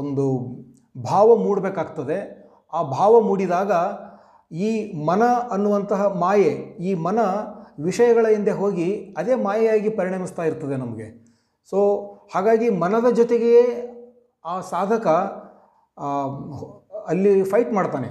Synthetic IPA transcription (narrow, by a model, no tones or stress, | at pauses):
ond̪u | bʱaːʋɐmuːɽbeːkaːɡt̪ɐd̪e̞ | aːbʱaːʋɐmuːɽid̪aːɡɐ | iːmɐnɐɐnːuʋɐnt̪ɐɦɐmaːjeiːmɐnɐʋiʂɐjɐɡɐɭɐind̪e̞ɦoːɡiɐd̪e̞ːmaːjɐjaːɡipɐɾiɳɐmist̪aːjiɾt̪ːɐd̪enɐmɐɡe̞̰ | so̞ːhaːɡaːɡimɐnɐd̪ɐd͡ʒɔt̪eɡejeː | aːsaːd̪ʱɐkɐ | ɐlːipʰɐjʈmaːɽt̪aːnḛ